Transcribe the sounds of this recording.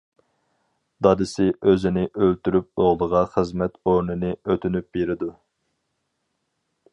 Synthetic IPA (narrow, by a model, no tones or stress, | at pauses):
d̪ɑd̪ɪsɪʔøzɪnɪʔølt̪yɾyp̚oʁlˠəʁɑχəzmɛt̪oɾnɨnɪøt̪ʰynyp̚beɾɪd̪u